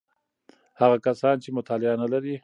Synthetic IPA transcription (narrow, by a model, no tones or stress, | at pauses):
haɣakasɑnt͡ʃemʊt̪ɑlɪanalaɾi